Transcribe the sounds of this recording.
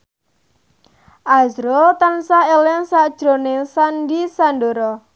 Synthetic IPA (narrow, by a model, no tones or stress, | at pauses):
ʔazɾot̪ansaelɪŋsaʔd̥ʒ̥ɾo̤nɪŋsandisandoɾɔ